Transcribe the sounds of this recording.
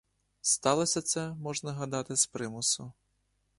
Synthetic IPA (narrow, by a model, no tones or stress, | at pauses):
st̪ɑlˠɔsʲɐt̪sɛmɔʐnɐɦɐd̪ɑt̪ɪspɾɪmʊsʊ